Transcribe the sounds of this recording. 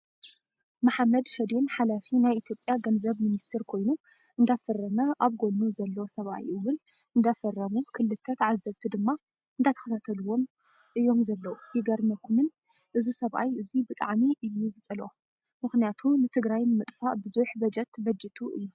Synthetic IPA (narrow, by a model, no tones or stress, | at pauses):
maħamːɐd̪ʃɐd̪inħalafinajʔit̪ʰjo̞pʼːjaɡɐnzɐβminist̪ʰeɾkʰo̞jnu | ʔɨnd̪afɐrːɐmɐʔaβɡo̞lːuzɐlːɐwsɐβʔa̰jʔɨwɨl | ʔɨnd̪afɐrːɐmukʰɨlːɨt̪ʰːɐt̪ʕazːɐβt̪ʰɨd̪ɨmːa | ʔɨnd̪at̪ʰɐ̥xɐt̪ʰat̪ʰɐluwo̞m | ʔɨjːo̞mzɐlːɐwujɪɡɐɾmɐkʰumɨn | ʔɨzisɐβʔa̰jɨzibɨt̪ʼaʕmiʔɨjːuzɨt͡sʼɐlo | mɨxnijat̪ʰunɨt̪ʰɨɡɾajnmɨt̪ʼfaʔbɨzuħbɐd͡ʒɐt̪bɐd͡ʒɨt̪ʰuʔɨjːu